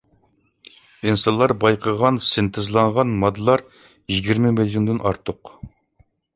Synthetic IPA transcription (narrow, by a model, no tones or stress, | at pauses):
insɑnlˠɑɾbɑjqʰəʁɑnsɪnt̪ʰɪzlˠɑɴʁɑnmɑd̪ɨlˠɑɾ | jiɡʲiɾmɪmilˠjond̪ɪnʔɑɾt̪ʰʊq